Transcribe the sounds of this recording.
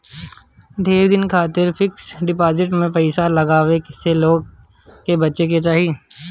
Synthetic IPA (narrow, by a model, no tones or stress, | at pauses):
d̪ʱeːɾd̪ɪnkʰaːt̪ɪɾfɪksɖɪpaːzɪʈ̬mẽpɛɪsalɐɡaːʋekseloːɡ̚ | kebɐtːʃek̬et͡ʃaːɦieː